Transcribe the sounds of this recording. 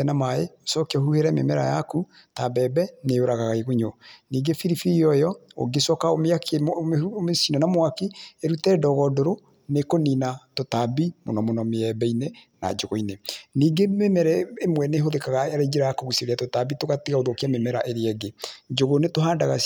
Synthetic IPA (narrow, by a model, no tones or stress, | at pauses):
ɛnamaeosɔkiɔhuheɾɛmḛmɛɾa̰jaku | tabɛːbɛnejoɾaɣaɣaeɣoɲoniːɡefiɾifiiɔjɔo̰ɡesɔkaomeak | mesinɔnamwakieɾutɛːdɔɣɔdoɾo | nekoniːnatotabimo̰nɔmonɔmeɛbɛinena̰d͡ʒoɣoineniːɡememɛɾɛemwɛneːɦoðekaɣaaɾed͡ʒeɾajakoɣusieɾiatotabitoɣatiɣaoðokiamemɛɾaʔeɾɛɡed͡ʒoɣonetoɦaːndaɣas